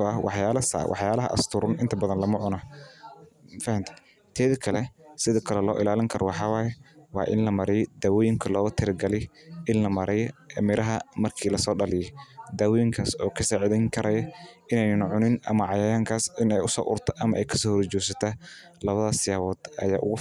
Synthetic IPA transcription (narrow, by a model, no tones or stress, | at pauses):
ɔɐwɑħjaːlɐsa̰wʔɑ̰ħjaːlɐɦɐ̰ʔɐ̰st̪ʰʊɾʊnʔɪnt̪ʰɐbɐðɐnlɐmɐʕʊnɐ | fɐhɐmt̪ʰɐ | t̪ʰɛːðɐkʰɐlɛsɪðɔːkʰɐlɛlɔ̰ːʔɪlaːlɪŋkʰɐɾʔɔwɑħɑːwaːjɛwɑ̰ːʔɪ̰nlɐmɐɾɛjd̪aːwɔːjɪŋkʰɐlɔːɣʊt̪ʰɪɾɪɡɐlɪj | ʔɪnlɐmɐɾʔɛjmɪɾɐɦɐmɐrkʰiːlɐsɔːɖɐlɪjɛd̪aːwɔːjɪŋkʰaːsɔːkʰɐsaːʕɪðɛŋkʰɐɾɐjɐʔɪnɛjnɐnʕʊnɪnʔɐmɐʕɑjaːjaːŋkʰaːsɪnɛjʊsɔ̰ːʔʊ̰rt̪ʰɔʔɐmɐʔɛjkʰɐ̥sɔːhɔɾt͡ʃɔːsɐt̪ʰa | lɐβɐðɐsɪjaːwɔːd̪̥ɐ̰ja̰ːʔʊ̰ɣʊ